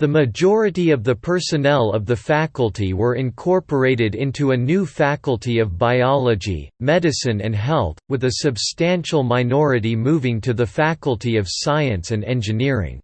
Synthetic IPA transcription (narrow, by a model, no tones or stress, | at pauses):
ðɨmɨd͡ʒɔɹɨɾiʌvðɨpʰɜ˞sɨnɛlˠʌvðɨfækl̩ˠtʰiwə˞ɨ̃nkʰɔɹpə˞eɪɾɨɾɪ̃ntʰuɨnʉfækl̩ˠtʰiʌvbaɪɑlˠəd͡ʒḭmɛɾɨsɨ̃nɨ̰̃nɦɛlˠθwɨðɨsɨbstæ̃nʃl̩ˠmaɪnɔɹɨɾimuvɪ̃ŋtʰɨðɨfækl̩ˠtʰiʌv̥saɪɨ̃nsɨ̃nɛ̃nd͡ʒɨnɪɹɪ̰̃ŋ